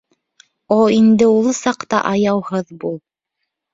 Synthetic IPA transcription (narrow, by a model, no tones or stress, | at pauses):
oind̪ɘulˠsɑqt̪ɑ̰ʔɑjɑwhɤðbulˠ